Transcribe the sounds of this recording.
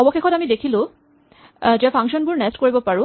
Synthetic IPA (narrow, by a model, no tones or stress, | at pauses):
ɔbɔxekʰɔtamidekʰilʊ | d͡ʒɛapʰaŋkʃɔnbuɹnɛstkoɹibɔpaɹũ